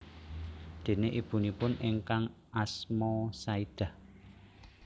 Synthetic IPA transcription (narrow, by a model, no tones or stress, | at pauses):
d̪̥e̤neʔib̥ṳnipʊnɪŋkaŋ | ʔasmɔsaid̪̥a̤h